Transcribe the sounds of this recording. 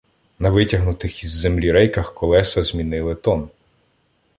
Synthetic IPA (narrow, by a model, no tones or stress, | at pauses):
nɐʋɪtʲɐɦnʊt̪ɪxizːemlʲiɾɛjkɐxkɔlˠɛsɐzʲmʲinɪlˠɪt̪ɔn